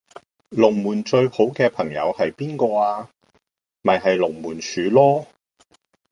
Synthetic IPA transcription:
lʊ˨˩ŋmuː˨˩nt͡ʃɵ˧ɥho˨˥wkɛː˧pʰɐ˨˩ŋjɐ̰˨˧whɐ˨jpiː˥nkɔː˧aː˧ | mɐ˨jɦɐ˨jlʊ˨˩ŋmuː˨˩nsyː˨˧˥lɔː˥

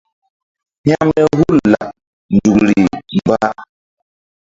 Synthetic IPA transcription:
ɲ˦a˦mɛ˦hu˦˨lːa˨ | n˨d͡ʒu˨kɾi˨m˨ba˦

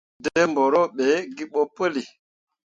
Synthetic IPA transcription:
de˦mbɔ˨ɾɔ˦˨ɓe˨˦ɡi˦ɓɔ˦pə˦li˨

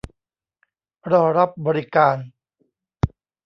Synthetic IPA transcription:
ɾɔː˧ɾa˦˥p̚bɔː˧ɾi˦kaː˧n

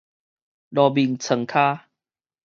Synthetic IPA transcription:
lɔ˨˧˩bi˨˩ŋt͡sʰə˨˩ŋkʰaː˦

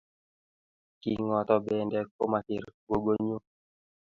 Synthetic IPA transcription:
ki˨ŋɔ˨tɔ˦bɛ˨ndɛ˦k̚o˦ma˨kɪ˨ɾɡwo˦ɡo˦ɲo˦

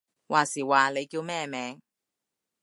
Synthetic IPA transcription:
wʔaː˨˩siː˨˩waː˨le˨˧jkiː˧wmɛː˥mɛː˨˧ŋ

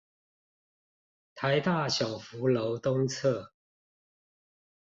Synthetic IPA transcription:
t̪ʰa˨˦ɪt̪a˥˨ɕjɑ˨˩ʊfu˨˦lo˧˦ʊt̪o˥ŋt͡sʰɤ˥˨

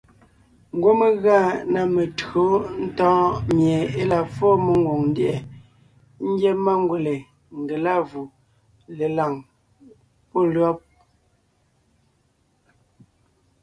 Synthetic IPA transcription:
ŋ̩˨ɡwo˦me˦ɣa˦˨na˨me˨to˨˦n̩˦tɔ̃ː˦mje˨e˦la˨fo˦me˨ŋ˦ɡwo˨ŋn˦djɛ˨ | ŋ̩˦ɡje˦ma˦ŋ˦ɡwe˨le˨ | ŋ˨ɡe˨la˦˨vu˨ | le˨la˨ŋ | po˦˨lɰɔ˦p̚

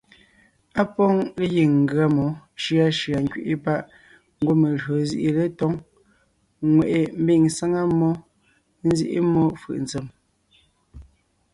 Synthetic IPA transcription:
a˦pɔ˦ŋle˦ji˨ŋ̩˨ɡɰa˦mɔ˨˦ʃi˦a˦ʃi˨a˨ŋ˦kɥḭ˦ʔi˦pa˦ʔ | ŋ̩˦ɡwo˦me˨ɣo˨zi˦ʔi˨le˦tɔ˦ŋ | ŋwe˨ʔe˨m̩˦bi˦˨ŋsa˦ŋa˦mːɔ˦ | n̩˦zḭ˦ʔḭ˦mɔ˦fɯ̰˨ʔn̩˨t͡se˨m

